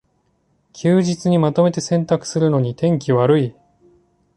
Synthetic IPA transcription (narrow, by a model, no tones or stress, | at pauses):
kʲʰɨːʑit͡sɨɲ̟imat̪o̞me̞t̪e̞sẽ̞nt̪akɯ̥sɨɾɯ̟no̞ɲ̟it̪ẽ̞ŋk̬ʲiβaɾɯ̟i